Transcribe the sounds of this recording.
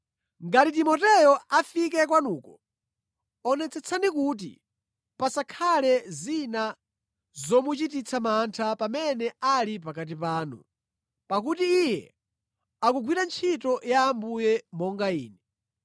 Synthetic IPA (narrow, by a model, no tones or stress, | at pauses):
ŋɡatitimɔtɛjɔafik̬ɛkwanuːkɔ | ɔnɛt͡sɛt͡sʰanikut̬ḭ | pasakʰalɛzina | zɔmut͡ʃitit͡sʰamantʰapamɛnɛalip̬akat̬ipaːnṵ | pakutiːjɛ̰ | akuɡwiɾant͡ʃʰitɔjaːmbujɛmɔŋɡaḭːnɛ